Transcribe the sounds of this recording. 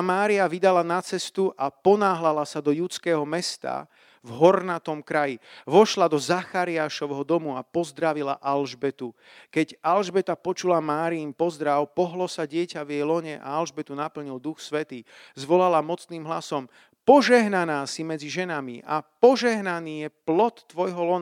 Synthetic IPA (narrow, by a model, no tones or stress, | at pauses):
maːɾiaʋid̪alanat͡sɛst̪uʔapɔnaːɦlalasad̪ɔjut͡skɛːɦɔmɛst̪a̰ | vɦɔɾnat̪ɔmkɾajiʋɔʃlad̪ɔzaxaɾiaːʃɔʋɦɔd̪ɔmuapɔzd̪ɾaʋila̰ʔalʒbɛt̪u | kɛɟalʒbɛt̪apɔt͡ʃulamaːɾiiːmpɔzd̪ɾawpɔɦlɔsaɟɪɛcaʋjɛjlɔɲɛʔa̰alʒbɛt̪unapl̩ɲild̪uxsʋɛt̪iːzʋɔlalamɔt͡sniːmɦlasɔm | pɔʒɛɦnanaːsimɛd͡ziʒɛnamiʔapɔʒɛɦnaniːjɛplɔt̪ːʋɔjɦɔlɔn